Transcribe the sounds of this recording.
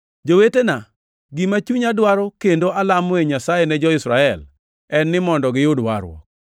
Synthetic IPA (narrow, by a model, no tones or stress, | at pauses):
d͡ʒowetena | ɡimat͡ʃuɲadwaɾɔkendoʔalamɔeɲasajɛnɛd͡ʒɔɪsɾaɛl | ɛnːɪmɔndɔɡɪjʊdwa̰ɾwɔ̰k̚